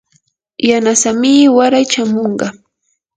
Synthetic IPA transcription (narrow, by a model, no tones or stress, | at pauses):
janasamɪwaɾajt͡ʃamoɴɢɑ